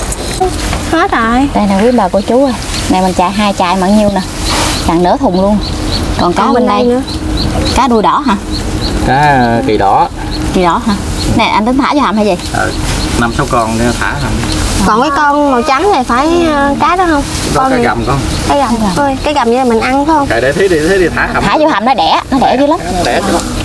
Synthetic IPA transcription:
xɔ˨˦t̪aː˨˩˨t̪aː˨jnaː˨˩wi˧˦ənɓəː˨˩ku˧˩ət͡ɕu˨˦ʔə˧˩ | na̰˨˩mə̈˨˩nt͡ɕa̰ː˨jɦaː˧jt͡ɕaː˧˨jma̰ː˧˨˩nɲi˧əwna˨˩kaː˨˩ŋnɨ̰˧˥ət̪ʰʊ˨˩ŋ͡mlu˧ənkɔ˨˩nkaː˨˦ɓe˧na˧jnɨ̰˧˥ə | kaː˨˦ɗu˧əjɗɔ˧˩ɦaː˧kaː˨˦˨ki˨˩ɗɔ˧˩˧ | ki˨˩ɗɔ˧˩ɦaː˧ | na˨˩jʔa˧nt̪i˨˦ŋt̪ʰaː˧˦zo˧ha˨˩mhaː˧jzi˨˩jʔə̰ː˨˩na˧msa˨˦wkɔ˧n˧˦t̪ʰaː˧˩˦ɦa˧˩m | kɔ˨˩nkaː˨˦jkɔ˧nmo˨˩t͡ɕa˨˦ŋna˨˩faː˧˩˦jkaː˨˦ɗɔ˨˦hə˧wŋ͡mzɔ˧˦˧a˨˦ɣa˨˩mkɔ˨˧˦ | kaː˨˦ɣa˨˩m˨˩əː˧˩jkaː˨˦jɣa˨˩p̚ɲɨ˨˧laː˨˩mï˨˩ŋ̟ʔa˧nə˨˦xə˧wŋ͡mka˨˩ɗe˧˦t̪ʰi˨˦ɗi˧t̪ʰe˨˦ɗi˧˩t̪ʰaː˧˦˧t̪ʰaː˧˦zo˧ɦa˨˩mnɔ˨˦ɗɛ˧˩˧nɔ˨˦ɗɛ̰˧˩zi˧˦la˨˦m˧ɗɛ˧˩˧

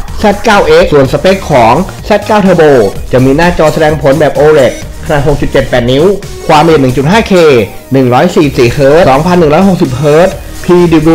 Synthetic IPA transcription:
sɛ˥˩t̪̚kaː˥˩wʔe˦˥ʔsu˨˩ənsa˧peː˦˥˩kkʰɔː˩˦ŋ | sɛː˦˥˩t̪̚kaː˥˩wt̪ʰaː˧boː˧t͡ɕa˨˩miː˧naː˥˩t͡ɕɔː˧sa˧dɛː˧ŋpʰo˩˦nbɛː˨˩p̚ʔoː˧ɾe˨˩t̪̚ | kʰa˧naː˨˩ʔho˨˩k̚t͡ɕu˨˩t̪̚t͡ɕe˨˩t̪̚pɛː˨˩t̪̚ni˦˥w | kʰwaː˧mʔi˨˩p̚nɯ˨˩ŋt͡ɕu˨˩t̪̚ɦaː˥˩kʰeː˧ | nɯ˨˩ŋɾɔː˦˥jsiː˨˩siː˨˩hʰɤː˦˥t̪sɔː˩˦ŋpʰa˧nː˨˩ŋɾɔː˦˥jɦo˨˩k̚si˨˩p̚hɤː˦˥t̪̚ | pʰiː˧diː˧u˧

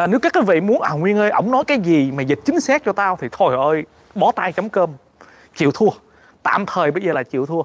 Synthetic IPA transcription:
nɨ˨˦˥wkaː˦˥kːaː˨˦jvḭ˧˨mu˨˦nʔaː˨˩wŋwi˧ənʔəː˧ʔə˧˥wŋ͡mnɔ˨˦jkaː˨˦jzi˨˩maː˨˩zi˨˩t̚t͡ɕï˨˦ŋ̟saː˦˥t̚t͡ɕɔ˧t̪aː˧wt̪ʰi˨˩t̪ʰo˧˩jhʔəː˧j | ɓɔ˨˦t̪aː˧jt͡ɕə˨˦wŋ͡mkəː˧m | t͡ɕḭ˧˨əwt̪ʰu˧ə | t̪a̰ː˧˨mt̪ʰəː˨˩jɓə˧jzəː˨˩laː˨˩t͡ɕḭ˧˨əwt̪ʰu˧ə

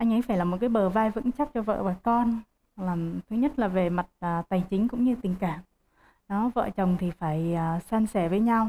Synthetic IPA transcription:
ʔa˧jŋ̟ʔə˨˦jfaː˧˩jlaː˨˩mo˨˩t̚kaː˨˦jɓəː˨˩vaː˧jvɨ̰˧˥ŋt͡ɕa˦˥p̚t͡ɕɔ˧və̰ː˧˨ɓaː˨˩kɔ˧n | laː˨˩mt̪ʰɨ˨˦ɲə˦˥t̚laː˨˩ve˨˩ma˨˩t̚ːt̪aː˨˩jt͡ɕï˨˦ŋ̟kʊ̰˧˥ŋ͡mɲɨ˧t̪ï˨˩ŋ̟kaː˧˩m | nɔ˨˦və̰ː˧˨t͡ɕə˨˩wŋ͡mt̪ʰi˨˩faː˧˩jəː˨˩saː˧nsɛ˧˩vəː˨˦jɲa˧w

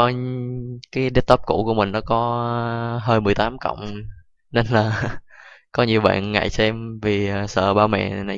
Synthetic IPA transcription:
ɔ˨˦ | kaː˨˦jɗe˦˥t̚t̪ɔ˦˥p̚kṵ˧˩ku˧˩əmï˨˩ŋ̟nɔ˨˦kɔ˨˦ | ɦəː˧jmɨ˨˩əjt̪aː˨˦mkɔ̰˧˨wŋ͡m | ne˧nlaː˨˩ | kɔ˨˦ɲi˨˩əwɓa̰ː˧˨nŋa̰˧˨jsɛ˧mvi˨˩˨sə̰ː˧˨˩ɓaː˧wmɛ̰˧˨na˨˩

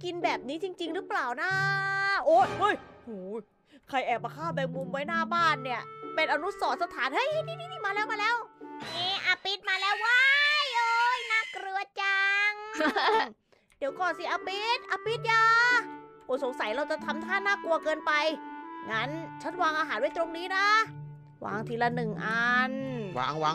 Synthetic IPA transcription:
ki˧nbɛː˨˩p̚niː˦˥t͡ɕi˧ŋt͡ɕi˧ŋɾɯ˦˥plaː˨˩wnaː˦˥ʔoː˦˧˩ho˦˥˩jhuː˩˦ | kʰa˧jʔɛː˨˩p̚ma˧kʰaː˥˩bɛː˧ŋmu˧mwa˦˥jnaː˥˩baː˥˩nːi˥˩ɐpe˧nʔaː˧nu˦˥sɔː˩˦˥sa˧t̪ʰaː˩˦nha˦˥˩jʔniː˧˥˩niː˥˩niː˥˩maː˧lɛː˦˥wmaː˧lɛː˦˥wʔeː˧˩ʔaː˧pi˦˥t̪̚maː˧lɛː˦˥wːa˦˥jʔo˧jna˦˥kɾɯ˧˩ət͡ɕa˧ŋ | di˨˩˦wkɔː˨˩nsi˨˩ʔaː˧pi˦˥t̪̚ʔaː˧pi˦˥t̪̚jaː˧˩ʔoː˧˩so˩˦ŋsa˨˦jɾa˧wt͡ɕa˨˩t̪ʰa˧mt̪ʰaː˥˩nːaː˥˩ku˧ɐkɤː˧npa˧jŋa˦˥nt͡ɕʰa˦˥nwaː˧ŋʔaː˧ɦaː˩˦nwa˦˥˩jt̪ɾo˧ŋniː˦˥na˦˥ | wa̰ː˧ŋt̪ʰiː˨˩la˧nɯ˨˩ŋʔa˧nwa̰ː˨˧ŋwaː˨˧˦ŋ

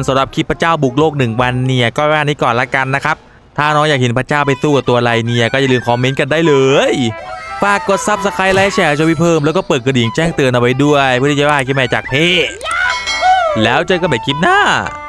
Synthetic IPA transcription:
nsa˨˦mɾa˨˩p̚kʰi˦˥pʰːa˧t͡ɕaː˥˩wbu˨˩k̚loː˥˩k̚nɯ˨˩ŋwa˧nːi˧˥˩ɐkɔː˥˩˦aː˥˧˩niː˦˥kɔː˨˩nla˦˥˩ka˧nːa˦˥kʰa˦˥p̚ | t̪ʰaː˥˩˨nɔː˦˧˥ŋjaː˨˩k̚ɦe˩˦npʰɾa˧t͡ɕaː˥˩wpa˧jθuː˥˧˩t̪u˧ɐla˧jni˧˥˩ɐkɔː˥˩ja˨lɯː˧mkʰɔː˧me˦˥nka˧ndaː˥˩jlɤː˧jfaː˨˩kːo˨˩t̪̚sa˦˥p̚sa˧kʰa˧˥jla˦˥jt͡ɕʰɛː˧˩a˧t͡ɕːwiː˦˥˩pʰɤː˥˩mlɛː˦˥wkɔː˥˩pɤː˨˩t̪̚kʰɾdiː˨˩˦ŋt͡ɕɛː˥˩ŋt̪ɯː˧ənʔa˧wa˦˥jdu˥˩əjpʰɯ˥˩t̪ʰiː˨t͡ɕwaː˥˩kʰi˦˥p̚mɛː˧˩t͡ɕaː˨˩k̚pʰeː˥˩ | lɛː˦˥wt͡ɕaː˧ka˧˩bɛː˨˩kʰi˦˥p̚naː˥˩

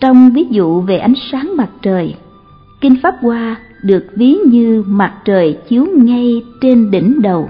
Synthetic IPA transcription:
t͡ɕɔ˧wŋ͡mvi˨˦zṵ˧˨ve˨˩ʔa˨˦jŋ̟saː˨˦ŋma˨˩t̚t͡ɕəː˨˩j | ki˧ŋ̟faː˦˥p̚kwaː˧ | ɗɨ˨˩ək̚vi˨˦ɲɨ˧ma˨˩t̚t͡ɕəː˨˩jt͡ɕi˨˦əwŋa˧jt͡ɕe˧nɗḭ˧˩ŋ̟ɗə˨˩w

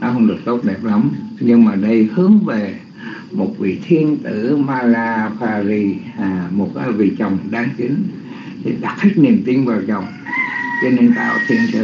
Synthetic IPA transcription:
nɔ˨˦ɦə˧wŋ͡mɗɨ˨˩ə˩k̚t̪o˦˥t̚ɗɛ˨˩p̚la˨˦mɲɨ˧ŋmaː˨˩ɗə˧jhɨ˨˦əŋve˨˩ | mo˨˩t̚vḭ˧˨t̪ʰi˧ənt̪ɨ˧˩maː˧laː˧paː˧zi˧aː˨˩mo˨˩t̚ka˨˦vḭ˧˨t͡ɕə˨˩wŋ͡mɗaː˧ŋki˨˦ŋ̟ | t̪ʰi˨˩ɗa˨˩t̚t̪ʰi˦˥k̚ni˨˩əmt̪i˧ənvaː˨˩wt͡ɕə˨˩wŋ͡m | t͡ɕɔ˧ne˧nt̪a̰ː˧˨˦t̪ʰi˧ənt̪ə̰˧˩

